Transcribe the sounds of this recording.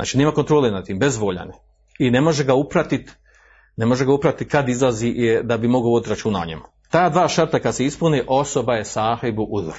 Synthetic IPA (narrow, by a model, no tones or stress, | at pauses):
a̰ːt͡ʃineːmakont̪ɾo̞ːlenat̪ːiːmbezʋoːʎa̰ne | ine̞mo̞ʒeɡaupɾat̪it̪ | ne̞mo̞ʒeɡaupɾat̪it̪̚kad̪izlˠaziʔd̪abimoɡoʋo̞d̪t̪ɾat͡ʃunaoɲḛm | t̪aːd̪ʋaːʃaɾt̪akad̪seispuneʔo̞so̞bajesaːhebuʔud̪ɾ